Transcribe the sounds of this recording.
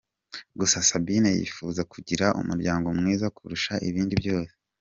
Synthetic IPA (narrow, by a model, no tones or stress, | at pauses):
ɡusasabinejḭfuzakuɟiɾaʔṵmuɾɟaːŋɡo̞mŋiːzakʰuɾuʃaʔiβiːndibjo̞ːse